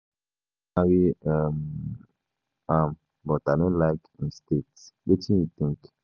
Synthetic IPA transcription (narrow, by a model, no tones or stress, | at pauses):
awiam | ãm | bɔtaɪdõnlaɪkĩnstetswet͡ʃĩnjut̪ĩŋk